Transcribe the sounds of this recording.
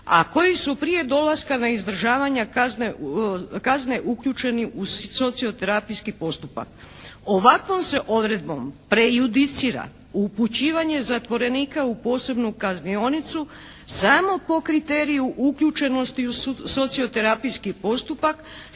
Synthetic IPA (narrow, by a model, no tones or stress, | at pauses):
a̰ko̞jisupɾije̞d̪o̞laskanaizd̪r̩ʒaːʋaɲakaznekazne̞ʔukʎʲut͡ʃe̞niʔuso̞t̪sio̞t̪e̞ɾapijskipo̞st̪upa̰k | o̞ʋakʋo̞mse̞ʔo̞d̪ɾe̞d̪̚bo̞̰mpɾe̞jud̪it̪siɾa̰ | uput͡ɕiːʋaɲe̞zat̪ʋo̞ɾe̞niːkaupo̞ːse̞bnukaznio̞nit̪su | samo̞po̞kɾit̪e̞ːɾijuʔukʎut͡ʃe̞no̞st̪iuso̞t̪sio̞t̪e̞ɾapijskipo̞st̪upak